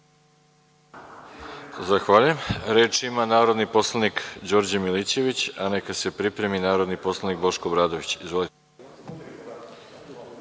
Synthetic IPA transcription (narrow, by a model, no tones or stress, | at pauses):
zaxʋaːʎuje̞mɾeːt͡ʃimanaːɾo̞d̪nipo̞slˠanikd͡ʑo̞ɾd͡ʑamilit͡ɕe̞ʋit͡ɕane̞kase̞pɾipɾe̞minaːɾo̞d̪nipo̞slˠanik̚bo̞ʃko̞bɾaːd̪o̞ʋit͡ɕizvʋo̞lit̪e